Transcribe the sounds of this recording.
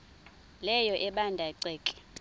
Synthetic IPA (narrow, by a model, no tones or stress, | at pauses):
lɛjɔʔɛɓandʱaǀɛːkʼɛ̥